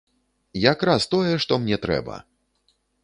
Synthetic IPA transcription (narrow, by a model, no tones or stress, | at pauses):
jakɾast̪ɔjɛʂt̪ɔmnʲɛt̪ɾɛ̰bɐ̰